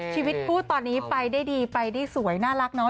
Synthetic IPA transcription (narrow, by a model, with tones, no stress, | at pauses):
t͡ɕʰiː˧wi˦˥t̪̚pʰuː˥˩t̪ːɔː˧nːiː˦˥pa˧jdaː˥˩jdiː˧pa˧jdaː˥˩jsu˩˦əjnaː˥˩la˦˥k̚nɔː˦˥